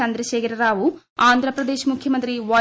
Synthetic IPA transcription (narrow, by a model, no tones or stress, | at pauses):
ɐnd̪ɾɐʃeːkɐɾɐɾaːʋu | aːnd̪ʱɾɐpɾɐd̪eːʃmukʰjɐmɐnt̪ɾiʋɐ